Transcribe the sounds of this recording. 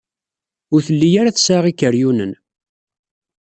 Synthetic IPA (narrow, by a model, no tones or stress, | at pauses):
ʊɾθəlːijaɾaθəsaʁikːəɾjunə̰n